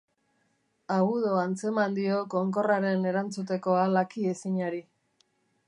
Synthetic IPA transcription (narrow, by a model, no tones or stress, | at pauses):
aɣuðo̞ant͡se̞mand̪io̞ko̞ŋko̞raɾe̞ne̞ɾant͡sut̪e̞ko̞alakiesiɲaɾi